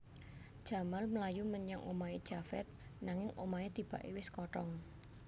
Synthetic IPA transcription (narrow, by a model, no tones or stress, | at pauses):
d̥ʒ̥a̤malməlajuməɲaŋʔomaed̥ʒ̥afɛ̰t̪̚naŋɪŋomaed̪̥i̤b̥aʔewɪskɔʈɔŋ